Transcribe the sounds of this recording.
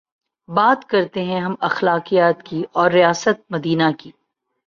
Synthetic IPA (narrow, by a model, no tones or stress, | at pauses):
baːt̪kɐɾt̪eɦɛ̃ɦɐmɐxlaːqijaːt̪kiʔɔːɾːijaːsət̪̚mɐd̪iːnakiː